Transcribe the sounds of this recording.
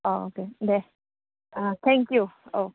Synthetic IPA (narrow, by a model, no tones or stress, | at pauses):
ʔoo̰ked̪e | ʔat̪ʰɛ̃ŋkjuo